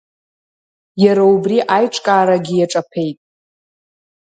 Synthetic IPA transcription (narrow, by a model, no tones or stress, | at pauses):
jaɾaubriʔajʈ͡ʂʼkʼaːɾaɡʲijaʈ͡ʂʼapʰe̞jtʼ